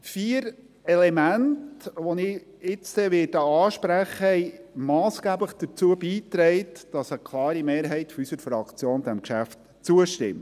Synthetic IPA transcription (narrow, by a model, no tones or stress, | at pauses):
fiːɾ | ɛlɛmæntʋɔnɪ | ɪt͡ssɛʋɪːdəɑːʃpɾæχəɛɪmɑːsɡ̥æːbləχd̪̥ət͡suəbiːtɾɛɪtd̥ɑsəkʰlɑːɾimeːɾɦɛɪtfysəɾfɾɑkt͡sjoːnd̥̪æmkʃæft | t͡suəʃtɪ̰mt